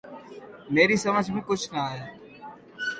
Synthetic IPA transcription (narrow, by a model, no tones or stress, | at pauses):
meːɾiːsəməd͡ʒʱmẽːkʊt͡ʃʰnəaːjaː